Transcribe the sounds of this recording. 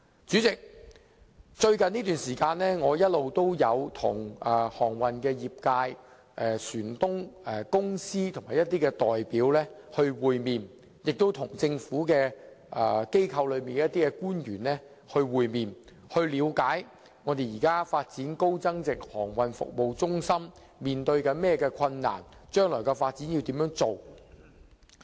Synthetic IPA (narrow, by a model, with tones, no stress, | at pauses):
t͡syː˨˥t͡sɪ˨k̚ | t͡ʃɵ˧ɥkɐ˨niː˥t̪yː˨nsiː˨˩kaː˧nlɛː˥ŋɔː˨˧jɐ˥t̚lo˨wt̪o˥wjɐ˨˧wt̪ʰʊ̰˨˩ŋɛ˨hɔː˨˩ŋwɐ˨˩nkɛː˧jiː˨p̚kaː˧j | ʔɛː˨˩syː˨˩nt̪ʊ˥ŋɛ˨˩kʊ˥ŋsiː˥t̪ʰʊ˨˩ŋmaː˨˩jɐ˥t̪iː˥kɛː˧t̪ɔː˨jpiː˨˥wlɛː˥hɵ˧ɥwuː˨jmiː˨n | jɪ˨k̚t̪o˥wt̪ʰʊ˨˩ŋt͡sɪ˧ŋfuː˨˥kɛː˧ | ʔɛ˨˩ke˥jkʰɐ˧wlɵ˨˧ɥmiː˨nkɛ˧˦˥t̪iː˥kɛ˧kuː˥njyː˨˩nlɛː˥ | hɵ˧ɥwuː˨jmiː˨n | hɵ˧ɥliː˨˧wkaː˨˥j | ŋɔː˨˧t̪e˨jiː˨˩kaː˥faː˧t̚t͡siː˨˥nko˥wt͡sɐ˥ŋt͡sɪ˨k̚hɔː˨˩ŋwɐ˨nfʊ̰˨k̚mo˨wt͡sʊ˥ŋsɐ˥m | miː˨nt̪ɵ˧ɥkɐ˧mɛː˥kɛː˧kʰɐ˧nːa̰ː˨˩nt͡ʃœː˥ŋlɔː˨˩jkɛː˧faː˧t̚t͡siː˨˥nji˧wt̪iː˨˥mjœː˨˥ŋt͡so˨w